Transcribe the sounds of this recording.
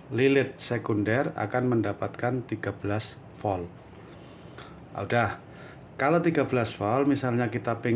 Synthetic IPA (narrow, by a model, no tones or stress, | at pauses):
lilɪt̪̚sekundɛra̰kanməndapat̪̚kant̪iɡ̥ab̥əlas | fɔl | ʔa̰udah | kalot̪iɡabəlasfɔlmisalɲakit̪ape